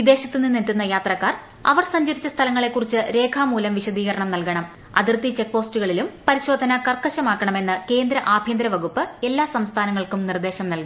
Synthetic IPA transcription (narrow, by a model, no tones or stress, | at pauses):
ʋid̪e̞ːɕɐt̪ːɨnːinːit̪ːunːɐjaːt̪rɐkːaːr | ɐ̰ʋɐrsɐɲd͡ʑɐɾit͡ɕːɐst̪ʰɐlɐŋːɐɭe̞kːurit͡ɕːɨɾe̞ːkʰaːmuːlɐmʋiɕɐd̪iːɣɐɾɐɳɐmnɐlkɐɳɐm | ɐ̰d̪irt̪it͡ɕe̞k̚po̞ːsʈuɣɐɭilumpɐɾiɕo̞ːd̪ʱɐnɐkɐrkɐɕɐmaːkːɐɳɐme̞nːɨke̞ːnd̪ɾɐʔaːbʱjɐnd̪ɾɐʋɐɣupːɨe̞lːaːsɐmst̪ʰaːnɐŋːɐɭkumnird̪e̞ːɕɐmnɐlkɐn